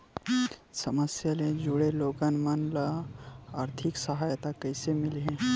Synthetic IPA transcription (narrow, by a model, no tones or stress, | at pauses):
səməsjaled͡ʒuɽeloːɡənmənləaːɾt̪ʰɪksəɦaːjt̪akɐɪsemɪlɦẽ